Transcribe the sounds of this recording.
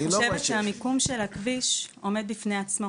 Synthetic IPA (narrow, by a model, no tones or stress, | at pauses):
oʃevetʃeamikumʃelakviʃo̞me̞d̪̚bifne̞at͡smo